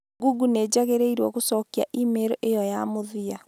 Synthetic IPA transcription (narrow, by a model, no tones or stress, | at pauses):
ɡuɡuneːd͡ʑaɣeɾeiɾwɔɣosɔːkiaʔimeɾoʔejɔjamoðia